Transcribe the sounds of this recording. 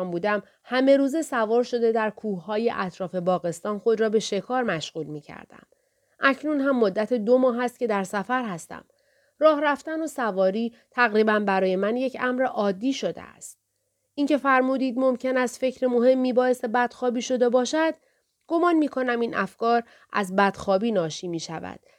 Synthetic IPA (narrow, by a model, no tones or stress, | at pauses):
mbuːd̪æm | hæme̞ɾuːze̞sævɒːɾʃo̞d̪e̞d̪æɾkʰuːhːɒːje̞ʔæt̪ʰɾɒːfe̞bɒːɣe̞st̪ɒːnxo̞d̪ɾɒːbe̞ʃe̞kʰɒːɾmæʃɣuːlmiːcʰæ̰ɾd̪̥æ̰m | ʔæcʰnunɦæmːo̞d̪ːæt̪ʰed̪o̞mɒːɦæst̪̚ce̞d̪æɾsæfæɾɦæst̪æ̰m | rɒːhɾæft̪ænosævɒːɾiː | t̪ʰæɣɾiːbænbæɾɒːje̞mænje̞cʰæmɾeʔɒːd̪ːiːʃo̞d̪ḛæ̰st̪̚ | incʰe̞fæɾmuːd̪iːd̪mo̞mcʰe̞næst̪fe̞cɾemo̞ɦe̞mːiːbɒːje̞se̞bæd̪̥xɒːbiːʃo̞d̪e̞bɒːʃæd̪̥ | ɡ̥o̞mɒːnmiːkʰo̞næmiːnʔæ̰fkɒːɾ | ʔæ̰zbæd̪̥xɒːbiːnɒːʃiːmiːʃævæ̰d̪̥